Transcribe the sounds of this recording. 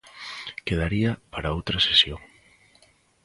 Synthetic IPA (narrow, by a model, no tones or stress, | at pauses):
keðaɾiɐpaɾaowt̪ɾɐsesjoŋ